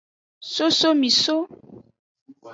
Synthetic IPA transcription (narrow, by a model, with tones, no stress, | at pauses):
so˦so˦mi˨so˦